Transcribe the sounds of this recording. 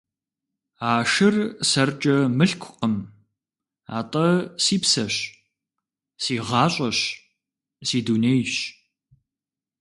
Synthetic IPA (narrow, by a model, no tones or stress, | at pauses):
aːʂɪrsɐrt͡ʃʼɐmɨɬkʷʰʊqəm | a̰ːtʼɐsiːpsɐɕ | siːʁɑːɕʼɐɕ | siːduːnejɕ